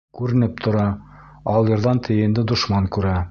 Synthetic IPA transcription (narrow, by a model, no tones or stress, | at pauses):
kʉɾɘ̆nɘp̚t̪ʰŏɾɑ | ɑlˠjɤ̆ɾðɑnt̪ʰɘ̆jɘ̆nd̪ɘd̪ŏʃmɑŋkʉɾæ